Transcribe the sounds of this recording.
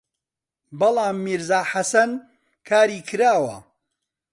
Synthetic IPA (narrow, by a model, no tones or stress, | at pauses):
bɐlˠaːmːiɾzaːħasɐn | kʰaːɾiːkʰɨɾaːwɐ̰